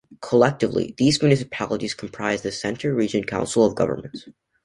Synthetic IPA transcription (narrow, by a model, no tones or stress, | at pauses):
kʰəlɛk̚tɨvlḭðizmjʉnɨs̬ɨpʰælˠəɾiz̥kʰm̩pʰɹ̥aɪzðɨsɛ̃ntʰə˞ɹid͡ʒɨ̃nkʰãʊ̃nsl̩ˠʌvɡʌ̰və̰˞mə̃n̩ts